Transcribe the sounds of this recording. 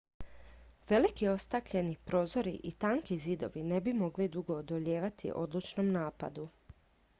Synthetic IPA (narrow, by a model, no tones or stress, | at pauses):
ʋe̞likio̞st̪akʎe̞nipɾo̞ːzo̞ɾḭʔit̪aːŋkizid̪o̞̰ʋine̞bimo̞ɡlid̪uɡo̞ːd̪oʎe̞ːʋat̪ʰḭʔo̞d̪lˠut͡ʃno̞mnaːpa̰d̪u